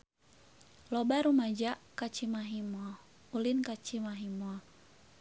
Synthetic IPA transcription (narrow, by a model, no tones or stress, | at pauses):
lɔbaɾumad͡ʒaʔkat͡ʃimaɦimɔ | ulinkat͡ʃimaɦimɔ